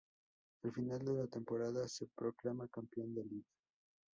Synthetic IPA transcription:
alfinald̪elat̪e̞mpo̞ɾaðasepɾo̞klamakampeo̞nd̪e̞liɣa

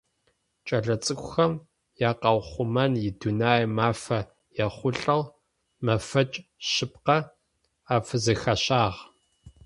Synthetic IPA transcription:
t͡ʃʼɐɮɐt͡sʼɨkʷʼʊxɐm | jaːqɐwχʷʊmɐnjɪdunaːjmaːfɐ | jɛχʷʊɬʼɐl | mɐfɐt͡ʃʼɕɪp̚qɐ | aːfɨzɐxɐɕaːʁ

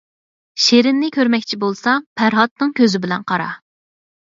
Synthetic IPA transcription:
ʃeɾɪnːɪkʲʰøɾmɛkʲt͡ʃʰibolˠsɑpʰæɾɦɑt̪̚nɨŋkʲøzɪbɪlɛnqʰɑɾɑ̰

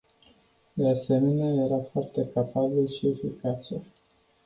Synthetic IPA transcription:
d̪e̞ase̞me̞neaje̞ɾafoart̪e̞kʰapabilʃie̞fikat͡ʃḛ

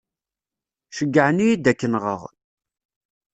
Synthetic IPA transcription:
ʃəɡːəʕnijid̪ækːənʁə̰ʁ

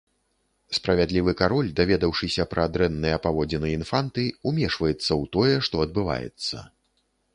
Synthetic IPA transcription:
spɾɐvʲad̪lʲivɨkaɾɔlʲd̪avʲɛd̪ɐwʂɨsʲɐpɾʔɐːd̪ɾɛnːɨjɐpavɔd͡zʲinɨinfant̪ɨumʲɛʂvɐjɛt̪sːɐwt̪ɔjɛʂt̪ɔɐd̪̚bɨva̰jɛ̰t̪sːɐ̰

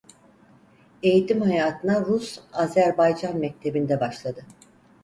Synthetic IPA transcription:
e̞jit̪ʰimhajaːt̪ʰɯnaɾusazæɾbajd͡ʒanmɛc̚t̪ʰe̞bind̪ɛbaʃlˠad̪ɯ

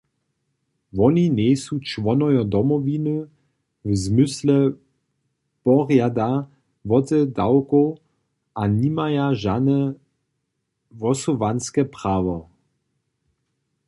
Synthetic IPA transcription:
vɔninɛjsut͡ʃʋɔnɔjɔd̪ɔmɔvinɨ | wzmʏslɛ | pɔʁjad̪a | vɔtɛdawko | ʔanimajaʒanɛ | vɔsɔvanskɛpʁ̥aːvɔ

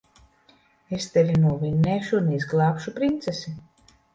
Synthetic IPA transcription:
est̪evʲinuɔvinːɛːʃunɛizɡlˠɑːpʃupɾint̪sesi

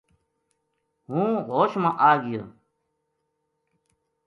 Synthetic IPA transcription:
ɦũːɣoːɕmãʔaːɡijoː

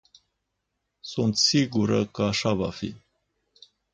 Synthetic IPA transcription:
sunt̪siɡuɾəkəaʃava̰fḭ

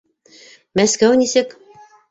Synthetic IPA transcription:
mæskæwnisɘk

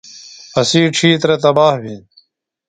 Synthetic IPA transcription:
ɐsiːʈ͡ʂʰiːt̪ɾet̪̬ɐbaːhbin

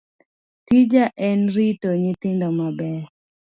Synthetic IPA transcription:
tid͡ʒaʔɛnɾitoɲɪt̪ɪndɔmabɛ

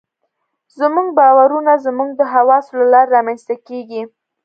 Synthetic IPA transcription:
zmuɡ̚bɑwaɾunazmuɡ̚d̪əɦawɑsolalɑɾeɾɑmanst̪akeɡi

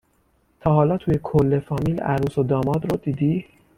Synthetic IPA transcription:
t̪ʰɒːhɒːlɒːt̪ʰuːje̞kʰolːe̞fɒːmiːlæ̰ɾuːsod̪ɒːmɒːd̪ɾod̪iːd̪iː

